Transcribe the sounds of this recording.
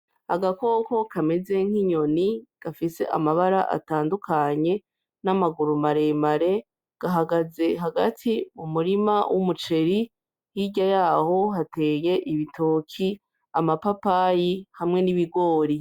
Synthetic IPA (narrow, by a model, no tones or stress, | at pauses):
haɡako̞ko̞kʰame̞ze̞ŋ̥hiɲo̞niɡ̥afise̞̰ʔa̰maβaɾaʔa̰taːndukʰaɲe̞ | namaɡuɾumaɾe̞maɾe̞ | ɡ̥aɦaɡaze̞ɦaɡatʰimumuɾimawʔumut͡ʃe̞ɾi | jiɟajaːho̞hate̞ːje̞ʔiβitʰoːkʰi | amapapajihamŋe̞niβiɡo̞ːɾi